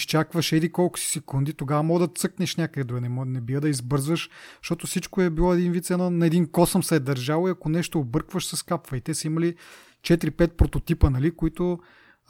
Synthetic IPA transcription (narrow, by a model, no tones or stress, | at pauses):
iʃt͡ʃakvəʃɛd̪ikɔlˠkʊ̥si̥sɛkund̪it̪oɡavəmɔɡd̪ɐt̪sɤknɛʃnʲakəd̪ɛd̪ɾuɡənɛnɛbivəd̪ɐizbɤɾzvəʃʃt̪ɔt̪ʊsit͡ʃkoɛbilˠɔɛd̪invit̪sɛnɔnɐɛd̪inkɔsəmsɛɛd̪ɐɾʒavˠoiɐkonɛʃt̪oːbɤɾkvəʃsɐskapvɐit̪ɛsɐimɐli | t͡ʃɛt̪iɾipɛt̪̚pɾot̪ot̪ipənɐlikoit̪ʊ